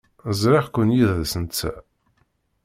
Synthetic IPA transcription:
zɾɪʁkʷənjiððsənt͡sːæ̰

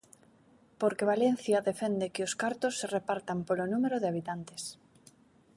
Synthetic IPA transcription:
poɾkeβ̞alen̟θjaðefend̪ekɪoskaɾt̪osːerepaɾt̪ampolonumeɾoðeaβ̞it̪ant̪e̥s

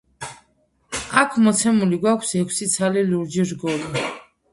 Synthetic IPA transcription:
akʰmɔt̪sʰɛmuliɡwakʷʰsɛkʰsit̪sʰaliluɾd͡ʒiɾɡɔli

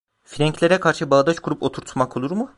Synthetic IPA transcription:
fiɾʲæɲclʲe̞ɾɛkʰaɾʃɯbaːd̪at͡ʃkʰuɾupo̞t̪ʰuɾt̪ʰumakʰo̞lˠuɾmu

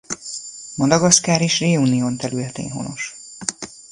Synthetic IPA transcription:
mɒd̪ɒɡɒskaːɾeːʃreːuːnijoːnt̪ɛɾylɛt̪ḛːnɦo̞̰no̞̰ʃ

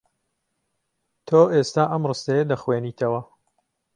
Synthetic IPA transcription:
t̪ʰoːʔest̪aːʔɐmrɨst̪ɐjɐd̪ɐxweːniːt̪ʰɐwɐ

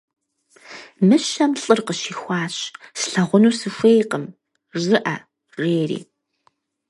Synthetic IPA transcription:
mɨʃɐmɬʼɨrqəʃiːxʷɑːɕsɬɐʁʷʊnuːsɨxʷejqəm | rzɨʔɐ | reːrḭː

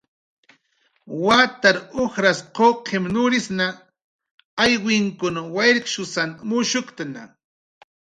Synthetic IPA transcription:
wat̪aɾoxɾasqoqʰemnʊɾɪsna | ajwɪŋkʊnawajɾɪkʃʊsanmʊʃʊkt̪ana̰

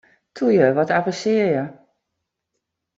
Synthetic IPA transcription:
tʰujəʋɔtaprəsɪəjə

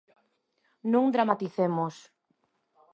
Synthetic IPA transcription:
nũŋd̪ɾamat̪iθemos

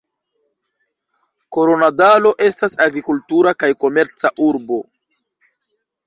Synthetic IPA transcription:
ko̞ɾonadalo̞ʔe̞stasaɡɾikultuɾakajko̞me̞ɾt͡saʔuɾbo̞

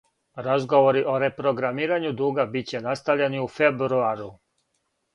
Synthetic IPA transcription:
ɾazɡo̞ʋo̞ɾiʔo̞ɾe̞pɾo̞ɡɾamiːɾaɲud̪uːɡabit͡ɕe̞nast̪avʎeniufe̞bɾuaɾu

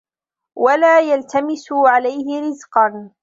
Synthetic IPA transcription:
walaːjalt̪amɪsʊʕalajhɪɾɪzqɑn

